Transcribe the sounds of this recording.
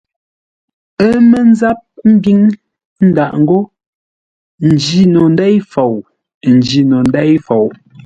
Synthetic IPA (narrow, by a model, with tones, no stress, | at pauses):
ə˦mə˦n˦za˦p̚m̩˦bi˦ŋ | n̩˦da˨ʔŋ̩˦ɡo˦ | n̩˨d͡ʒi˨nɔ˨n˦da˦jfo˨w | n̩˨d͡ʒi˨nɔ˨n˦dɛ˦jfo˨w